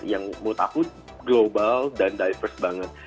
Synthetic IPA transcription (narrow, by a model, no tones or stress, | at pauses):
jaŋməŋt̪a̰kʊt̪̚ | ɡlobaldandajfərsbaŋət̪̚